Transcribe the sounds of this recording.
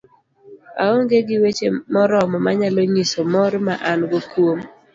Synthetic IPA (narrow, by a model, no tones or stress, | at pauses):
a̰oŋɡeɡɪwet͡ʃemɔɾɔmɔmaɲalɔɲisomɔɾmaʔanɡokwom